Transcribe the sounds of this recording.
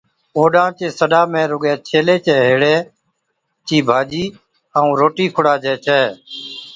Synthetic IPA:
oːɗãːt͡ʃeːsəɗaːmẽːɾʊɠɛːt͡ʃʰeːleːt͡ʃeːɦeːɽeː | t͡ʃiːbʱaːd͡ʒiː | əũːɾoːʈiːkʰʊɽaːd͡ʒɛːt͡ʃʰɛː

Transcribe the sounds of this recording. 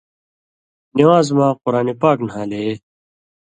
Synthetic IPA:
niwaːzmãːqʊɾaːnepaːknɦãːle

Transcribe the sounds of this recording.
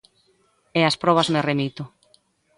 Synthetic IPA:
easpɾɔβ̞ɐzmeremit̪ʊ

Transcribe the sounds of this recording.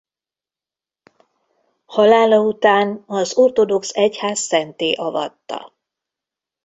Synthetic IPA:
hɒlaːlɒut̪aːnɒzo̞rt̪o̞d̪o̞ksɛchaːsːɛnt̪eːʔɒvɒ̰t̪ːɒ̰

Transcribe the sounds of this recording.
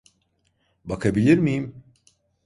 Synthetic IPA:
bakʰabilʲiɾmijim

